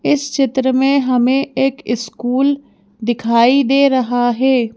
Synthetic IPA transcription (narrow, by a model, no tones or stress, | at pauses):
ɪst͡ʃɪt̪ɾəmẽɦəmẽːeːkɪskuːl | d̪ɪkʰaːid̪eːɾəɦaːɦɛː